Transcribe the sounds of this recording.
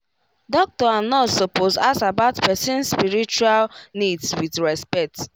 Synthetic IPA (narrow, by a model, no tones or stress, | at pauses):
dɔk̚tɔanɔsoposasabaʊtpɛsĩnspiɹit͡ʃualnidswidɹɛspɛk̚t